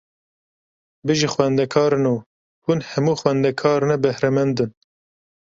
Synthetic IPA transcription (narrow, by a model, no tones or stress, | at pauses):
bɨʒixwɛnd̪ɛkʰɑːɾɨnuː | hunhɛmuːxwɛnd̪ɛkʰɑːɾɨnɛbɛhɾɛmɛnd̪ɨn